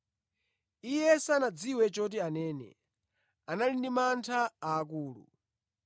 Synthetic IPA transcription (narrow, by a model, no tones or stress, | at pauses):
ijɛsanad͡ziwɛt͡ʃɔt̬ianɛːnɛ̰ | analindimantʰaaːk̬uːlṵ